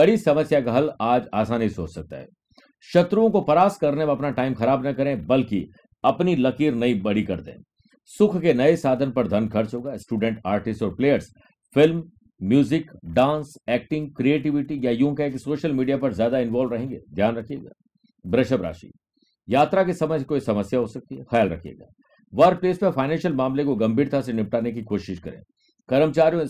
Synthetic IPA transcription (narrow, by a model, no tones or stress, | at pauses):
bɐɽisɐməsjakaɦɐlaːd͡ʒaːsaːnɦiso̰ːt͡ʃsɐk̚t̪a̰ɦɛ̰ː | ʃɐt̪ɾuõkopɐɾaːskɐɾnemeɐpnaʈaːɪmxɐɾaːbnɐkɐɾẽbɐlki | ɐpnilɐkiːɾnɐĩbɐɽ̤ikɐɾd̪ḛ̃ː | sʊkʰkenɐesaːd̪ʱənpɐɾd̪ʱɐnkʰɐɾt͡ʃɦoːɡaːsʈuːɖɛ̃ɳʈaːɾʈɪsʈɔːɾpleːjəɾs | fɪlm | mjuːzɪkɖãːnsɛːk̚ʈɪ̃ŋɡ̚kɾieːʈ̬ɪʋɪʈijajũːkaeksoːʃəlmiːɖijapɐɾzjaːd̪aɪ̃nʋaːlʋɾɐɦẽːŋɡḛːd̪ʱjaːnɾɐkʰijḛːɡa̰ː | bɾɐʃəbɾa̰ːʃḭ | jaːt̪ɾakesɐməskoːisɐməsjaɦosɐk̚t̪iɦɛxɐjaːlɾɐ̰kʰiḛːɡa̰ː | ʋɐɾk̚pleːspɐfaːɪnɛ̃ːnʃəlmaːmlekoɡɐ̃mbʱiːɾt̪ʰasenɪp̚ʈaːnek̬ikoːʃɪʃkɐɾḛ̃ː | kɐɾəmt͡ʃaːɾijõ